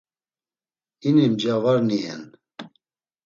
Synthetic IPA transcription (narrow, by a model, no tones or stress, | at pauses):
inimd͡ʒavaɾniɛ̰n